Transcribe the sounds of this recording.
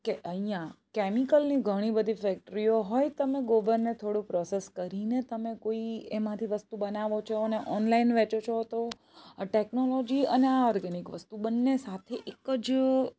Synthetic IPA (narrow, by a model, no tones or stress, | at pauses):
keʔəɦijãkɛmikəlniɡʱəɽ̃ibəd̪ʱifɛk̚ʈɾioɦɔjt̪əmeɡoʋəɾnet̪ʰoɽũpɾɔseskəɾinet̪əmekoiemãt̪ʰiʋəst̪ubənaʋot͡ʃʰoneʔɔnlainʋɛt͡ʃot͡ʃʰot̪o | ʈeknolod͡ʒiəneaɔɾɡɛnikʋəst̪ubənːesat̪ʰeʔekəd͡ʒ